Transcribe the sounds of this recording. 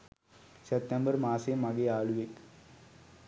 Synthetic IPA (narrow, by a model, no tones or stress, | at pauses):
sep̚t̪embɐɾmaːsemɐɡeaːɭuʋek